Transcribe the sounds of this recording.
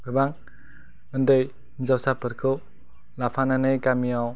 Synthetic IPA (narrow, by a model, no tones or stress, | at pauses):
kɯbaŋ | ɯndɯj | nzawsapɯɾkʰɯw | lapʰananɯjkamiaw